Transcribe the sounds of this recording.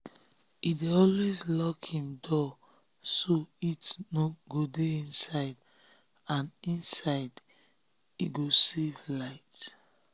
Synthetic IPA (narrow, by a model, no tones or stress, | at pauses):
ideɔlwezlɔkhĩmdɔ | soitnoɡodeĩnsaɪd | ãnĩnsaɪd | iɡosevlaɪt